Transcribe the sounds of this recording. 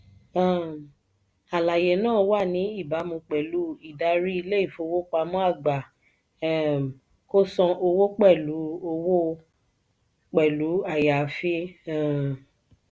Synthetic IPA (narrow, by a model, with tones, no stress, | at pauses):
ã˨ | a˨la˨je˨nãː˦˨˦wa˦˨nĩ˨˦i˦˨ba˨˦mũ˧k͡pɛ˨lu˨˦i˨da˧˦ɾi˦i˧le˦i˦˨fo˧wo˦k͡pa˧mɔ̃˦a˦˨ɡ͡ba˨ | ko˦sɔ̃˧ʔo˧wo˦k͡pɛ˦˨lu˨˦o˧wo˦ | k͡pɛ˨lu˨˦a˦˨ja˨fi˦˨